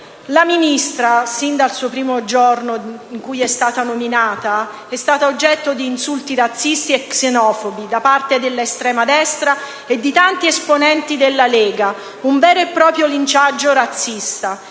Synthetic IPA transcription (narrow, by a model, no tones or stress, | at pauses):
laminist̪ɾasind̪alsuːopɾiːmod͡ʒornoiŋkujɛst̪aːt̪anominaːt̪a | ɛst̪aːt̪aod͡ʒːɛt̪ːod̪iːnsult̪iɾat̪sːist̪iɛksenɔːfobid̪apart̪ed̪elːaest̪ɾɛːmad̪ɛst̪ɾa | ed̪ːit̪ant̪iesponɛnt̪id̪elːalɛːɡa | uɱvɛːɾoepːɾɔːpɾjolint͡ʃad͡ʒːoɾat̪sːist̪a